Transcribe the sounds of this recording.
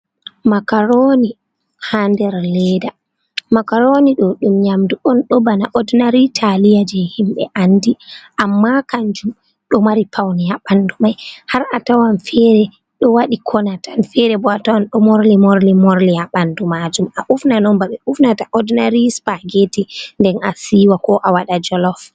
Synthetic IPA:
makaɾoni | handɛɾlɛda | makaɾoniɗɔɗumɲamduʔɔnɗɔbanaʔɔdnaɾitʰalijad͡ʒɛhimɓɛ̰ʔandiʔamːakaɲd͡ʒum | ɗɔmaɾipʰawnijaɓandumajhaɾatawanfɛɾɛ | ɗɔwaɗikʰɔnatʰanfɛɾɛbɔatawanɗɔmoɾlimoɾlimoɾlijaɓandumad͡ʒumaʔufnanɔmbaɓɛufnataʔɔdnaɾispaɡetindɛnasiːwakɔʔawaɗad͡ʒɔlɔf

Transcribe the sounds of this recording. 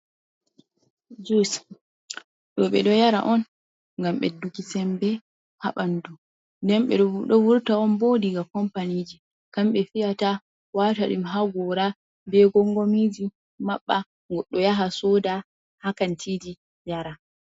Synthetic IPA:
d͡ʒus | ɗɔɓɛɗɔjaɾa̰ʔɔn | ŋɡamɓɛ̰dukisɛmbɛ | ha̰ɓandu | ndɛmɓɛ̰ɗɔwuɾtaɔnbodiɡakɔmpanid͡ʒi | kamɓɛfijata | wataɗimɦaɡɔɾa | dɛɡɔŋɡomid͡ʒi | maɓːa | ɡɔɗːɔjaɦasɔda | hakantʰid͡ʒi | jaɾa

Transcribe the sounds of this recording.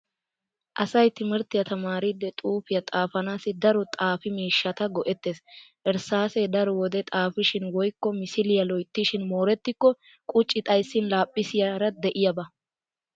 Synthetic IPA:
ʔɐsɐjt̪ɪmɪɾt̪ɪjɐt̪ɐmaːɾɪd̪ːɛt̪ʼuːfɪjɐt̪ʼaːfɐnaːsɪd̪ɐɾɔt̪ʼaːfɪmiːʃːɐt̪ɐɡɔʔɛt̪ːeːsʔɛɾsaːsɛd̪ɐɾɔwɔd̪ɛt̪ʼaːfɪʃɪnwɔjkːɔmɪsɪlɪjɐlɔjt̪ːɪʃɪnmoːɾɛt̪ːɪkːɔ | kʼʊt͡ʃʼːɪt̪ʼɐjsːɪnlaːpʼːɪsɪjɐɾɐd̪ɛʔɪjɐbɐ

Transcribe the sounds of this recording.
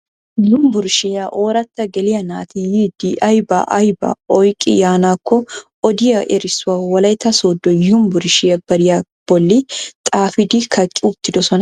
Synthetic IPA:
jʊmbʊɾʃɪjɐʔoːɾɐt̪ːɐɡɛlɪjɐna̰ːt̪ijid̪iʔɐjbɐ̰ʔɐjbɐ̰ɔjkʼɪ̰jaːnaːkʰːɔ | ɔd̪ɪjɐʔɛɾɪsʊawɐlɐjt̪ːɐsoːd̪ːɔjʊmbʊɾʃɪjɐbɐɾɪjɐ | b̥ɔlːɪt̪ʼaːfɪd̪ikʰɐkʼːɪʊt̪ːɪd̪ɔsɔnɐ

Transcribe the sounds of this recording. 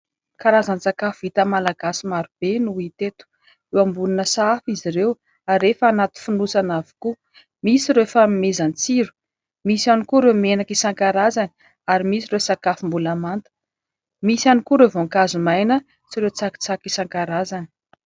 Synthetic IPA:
kaɾazanit͡sakafuit̪əmalaɡasimaɾub̥enuit̪et̪u̥ | ewambulinəsaafiziɾew | aɾefaːnat̪u̥funusanavi̥ku | misiɾefaimezant͡siɾu̥ | misianikuɾewmenakisaŋkaɾazani | aɾimisiɾewsakafumbulamant̪ə̥ | misjanikuɾewvoŋkazumajnə | t͡siɾewt͡saki̥t͡sakisaŋkaɾazani̥

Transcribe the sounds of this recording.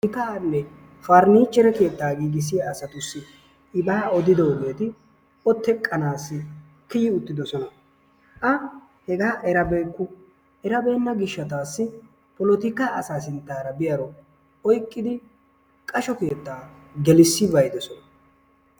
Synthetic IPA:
ɪkaːnːɛ | faɾniːt͡ʃːɛɾɛke̞ːt̪ːaːɡiːɡɪs̬ɪjaːsɐt̪ʊsːɪ | ɪbaːɔd̪ɪd̪ɐwɔbeːt̪ɪ | ɔt̪ːɛkʼːɐnaːsːɪ | kɪjɪʊt̪ːɪd̪ɔsɔnɐ | ʔɐ | hɛɡaːʔɛɾɐbeːkːʊ | ʔɛɾɐbeːmːɐɡɪʃːɐt̪aːsːɪ | pɔlɔt̪ɪkaːɐsaːsɪnt̪ːaːɾɐbɪjɐɾɔ | ɔjkʼːɪd̪ɪ | kʼɐʃɔke̞ːt̪ːaː | ɡɛlɪsːɪbɐjd̪ɔsɔnɐ

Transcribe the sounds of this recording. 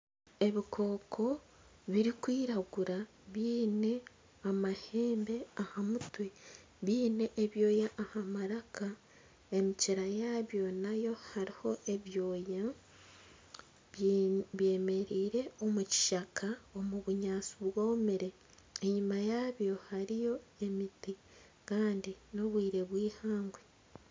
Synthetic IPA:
e̞βikʰo̞ːkʰo̞ | βiɾikwiːɾaɡuɾa | βiːne̞ | amahe̞ːmbe̞ahamutwe̞ | βiːne̞ʔːβjo̞ːjaʔahamaɾakʰa | e̞miciɾajaːβjo̞najo̞haɾiho̞ʔe̞βjo̞ːja | βje̞ːme̞ɾiːɾe̞o̞muci̥ʃakʰao̞muβuɲaːt͡suβwo̞ːmiɾe̞ | eɲumajaβjo̞haɾijo̞e̞miti | kaːndino̞βwiːɾe̞βwiːhaːŋɡwe

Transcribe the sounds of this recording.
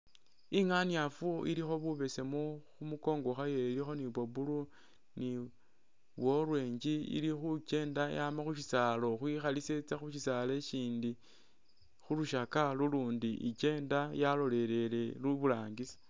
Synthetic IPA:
iŋaniafuḭlixo̞βuβe̞se̞moxumuko̞ːŋɡo̞xajeilixo̞niβobulu | ni | βwo̞rwe̞ːɲd͡ʒiḭlixut͡ʃe̞ːndajamaxuʃisalo̞xwixaliset͡saxuʃisale̞ʃiːndi | xuluʃakaluluːndiʔḭt͡ʃe̞ːndajalo̞le̞le̞le̞luβulaːŋɡisḁ

